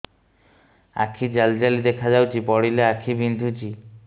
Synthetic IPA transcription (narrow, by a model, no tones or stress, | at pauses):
a̰kʰid͡ʑald͡ʑalid̪ekʰad͡ʒawt͡ʃipɔɽileakʰibind̪ʱut͡ʃi